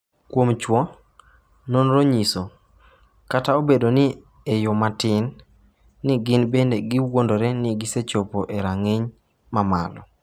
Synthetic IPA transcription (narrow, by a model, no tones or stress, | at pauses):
kwomt͡ʃwɔ | nonɾoɲiso | kataobedonɪ | ejomatɪnː | ɪɡɪnbendeɡɪwwondoɾɛnɪɡɪset͡ʃopoʔeɾaŋeɲ | mama̰lɔ